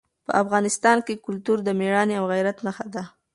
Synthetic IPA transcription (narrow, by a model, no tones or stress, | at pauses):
pə̰ʔafɣɑnɪst̪ɑnkekʊlt̪uɾd̪əmeɽɑneawɣajɾat̪naxad̪a